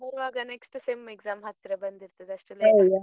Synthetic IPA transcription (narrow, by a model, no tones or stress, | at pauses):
ɦuɾʋaːɡɐneksʈseːmeɡzaːmɦɐt̪ːiɾebɐnd̪iɾt̪ɐd̪eɐʂʈelːeoja